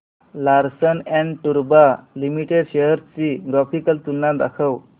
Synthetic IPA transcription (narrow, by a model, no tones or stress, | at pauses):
laɾsənɛ̃ɳɖʈuɾbalimiʈeɖɕeɦəɾt͡siɡɾafikəlt̪unːad̪a̰kʰəw